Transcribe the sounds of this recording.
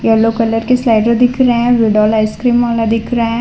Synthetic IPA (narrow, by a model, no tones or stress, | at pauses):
jɐlokɐləɾkeslaɪʈɾod̪ɪkʰɾɐɦɛ̃ʋeɖɔlaɪskɾiːmaːlad̪ɪkʰɾɐɛ̃